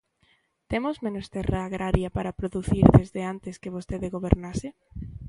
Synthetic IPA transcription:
t̪emozmẽnost̪eraːɣɾaɾjapaɾapɾoðuθiɾðezðeant̪eskeβost̪eðeɣoβeɾnase

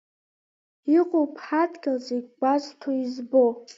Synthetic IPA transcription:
iqʼopʰħatʰʼɡʲalzeɡʲɡʷaztʰoizbo

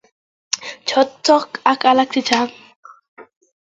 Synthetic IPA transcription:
t͡ʃʰɔt̪ːɔkakalak̚t͡ʃʰit͡ʃʰaŋ

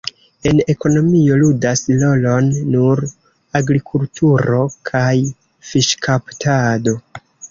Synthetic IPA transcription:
e̞ne̞ko̞no̞mio̞ludaslo̞lo̞nːuɾ | aɡɾikʰultʰuɾo̞kʰaj | fiʃkʰaptʰado̞

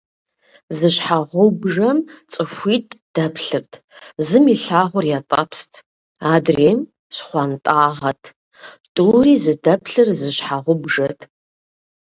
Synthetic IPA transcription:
zɨɕħaʁʷʊbʐɐmt͡sʼɨʃʷiːtʰʼd̥ɐpʰɬɨrtʰ | zɨmiɬaːʁʷʊrjaːtʼɐpʰstʰ | aːdreːm | ɕχʷɑntʼaːʁɐtʰ | tʼuːriːzɨdɐpʰɬɨrzɨɕħaʁʷʊbʐɐtʰʼ

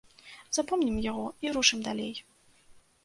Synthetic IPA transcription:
z̥apɔmnʲimjaɣɔiɾuʂɨmd̪alʲej

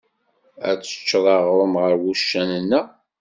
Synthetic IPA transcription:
æ̰t͡sːə̥t͡ʃːðˤɑʁɾˤəmʁəɾwuʃːænənːə

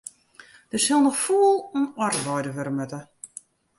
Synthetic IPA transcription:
d̥əsɪlˠnɔxfuəlˠunɔrʋɔjdəʋɛɾəmøtə

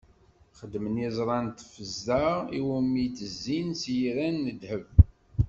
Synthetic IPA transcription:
χəd̪ːmənjɪzˤɾˤɑnt̪fəzːəiwəmit͡s̪ːəzːinsjɾænːəd̪həv

